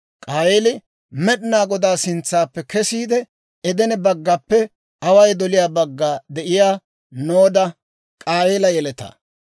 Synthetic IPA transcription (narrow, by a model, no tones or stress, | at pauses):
kʼaːweːlɪ | mɛɗnaːɡɔd̪aːsɪnt͡sːaːpːɛkɛsiːd̪ɛ | ɛd̪ɛnɛbɐɡːɐpːɛ | ɐwɐjd̪ɔlɪjaːbɐɡːaːd̪ɛʔɪjaː | noːd̪ɐ | kʼaːweːlɐjɛlɛt̪ɐ̰ː